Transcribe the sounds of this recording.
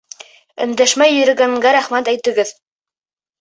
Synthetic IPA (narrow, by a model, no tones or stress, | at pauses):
ɵ̆nd̪æʃmæjɵ̆ɾɘ̆ɡæŋɡæɾæχmæt̪æjt̪ɘ̆ɡɘð